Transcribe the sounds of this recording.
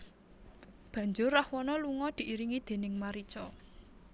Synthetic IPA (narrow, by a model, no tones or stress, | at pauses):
b̥ä̤ɲd͡ʒʊrːahwɔnɔluŋɔd̪̥i̤ʔiɾiŋid̪̥e̤nɪŋmaɾit͡ʃɔ